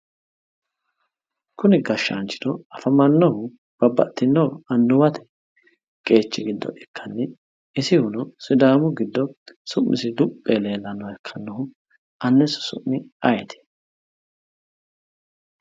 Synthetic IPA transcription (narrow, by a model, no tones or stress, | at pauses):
kʊnɪɡɐʃːa̰ːnt͡ʃːɪ̥d̪ɔɐfɐmɐnːɔhʊ | b̥ɐbːɐ̰t̪ːɪnːɔwɐnːʊwɐt̪ʰɛ̥ | kʼe̞ːt͡ʃːɪɡɪd̪ːɔ̰ʔɛkːɐnːɛ | ɪsɪhʊnɔsɪd̪aːmʊɡɪd̪ːɔsʊmːɪsɪd̪ʊpʼːele̞ːlːɐnːɔɛkʰːɐnːɔhʊ | ɐnːɛsɔ̥sʊ̰ʔːɪɐjɛt̪ɛ̥